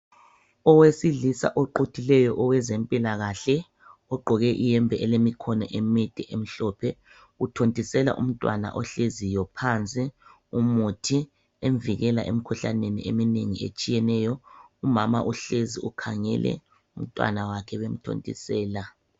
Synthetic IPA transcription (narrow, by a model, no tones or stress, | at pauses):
ɔwesiɮisa̰ʔɔǃotʰilɛjɔʔɔwɛzempʼilaɣaɬɛ | ɔɡ͡ǃʱɔɣɛʔijɛmbʱɛʔɛlemikʰɔnɔʔemitʼɛʔem̩ɬɔːpʰɛ | utʰontʼisɛla̰ʔum̩tʼwa̰na̰ʔɔɬezijɔpʰant͡sʼi | umutʰi | eɱviɣɛlaʔḛm̩kʰuɬa̰nenḭemineŋiḛt͡ʃʼijɛnɛːjɔumama̰ʔuɬeziukʰaŋɛ̰lʔɛ̰ | um̩tʼwa̰nawakʰɛβem̩tʰo̰ntʼḭsɛːla